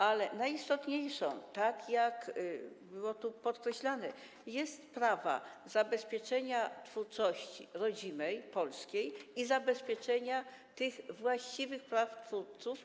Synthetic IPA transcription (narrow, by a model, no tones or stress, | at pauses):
alɛnajist̪ɔt̪ɲejʂɔ̰̃w̃t̪akjak | bɘwɔt̪upɔt̪kɾɛɕlanɛ | jɛst̪pɾava̰zabɛspʲjɛt͡ʂɛɲat̪fuɾt͡ʂɔɕt͡ɕḭɾɔd͡ʑinɛjpɔlskʲejizabɛspʲjɛt͡ʂɛɲa | t̪ɘɣvwaɕt͡ɕivɘxpɾaft̪fuɾt̪suf